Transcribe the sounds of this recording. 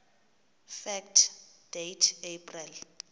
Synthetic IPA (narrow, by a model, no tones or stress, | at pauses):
fɛk̚tʰd̥ejtʰepʰʼrɛl